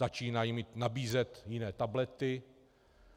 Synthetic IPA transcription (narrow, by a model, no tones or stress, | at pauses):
at͡ʃiːnajimiːt̪nabiːzɛt̪jɪnɛːt̪ablɛt̪ɪ